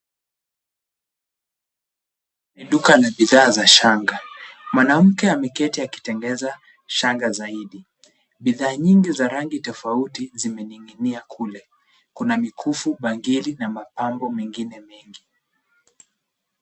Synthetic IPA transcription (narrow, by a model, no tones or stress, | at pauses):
niɗukalaɓiðaːzaʃaŋɡamwanam̩kɛamɛkɛtiaki̥tɛŋɡɛza | ʃaŋɡazaiɗi | ɓiðaːɲiŋɡizaɾaŋɡitɔfautizimɛniŋɡiniakʰulɛ | kunamikʰufuɓaŋɡilinamapambɔmɛŋɡinɛmɛŋɡi